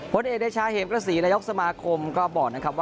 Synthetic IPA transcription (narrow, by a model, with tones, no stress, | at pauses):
pʰo˨˦nʔeː˨˩ɗaː˧˩t͡ɕʰaː˧˥heː˨˦mkɾaː˧˩siː˩˦na˧jo˦˥k̚sa˧maː˧kʰo˧mkɔː˥˩bɔː˨˩k̚na˦˥kʰa˦˥p̚waː˥